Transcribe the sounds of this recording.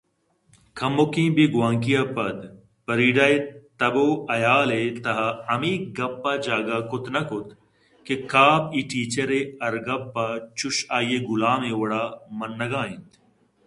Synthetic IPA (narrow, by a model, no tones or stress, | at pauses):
kʰɐmːokĩːbiɡwãːŋkijaːpɐd̪ | pɐɾiːɖɐːet̪ɐboːɐjaːlet̪ɐɦɐɐmiːɡɐpːad͡ʒaːɡakot̪nɐkʊt̪ | kekaːpiːʈiːt͡ɕɐɾeɐɾɡɐpːat͡ʃuʃaːjeɡulaːmewɐɽaːmɐnːɐɡãːĩnt̪